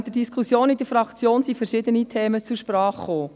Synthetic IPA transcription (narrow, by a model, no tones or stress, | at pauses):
d̥ədiskʰusjoːnidəɾfɾɑkt͡sjoːnsifɛɾʃɪd̪ənitʰeːmət͡suʃpɾɑːχχoː